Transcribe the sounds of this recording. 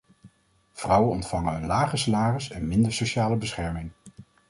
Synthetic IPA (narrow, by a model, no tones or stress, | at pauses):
v̥rʌwənɔ̰ntfɑŋənɦɵnlaːχəsalaːrəsɛnmɪndəɹsoʃaːləbəsχɛɹmɪŋ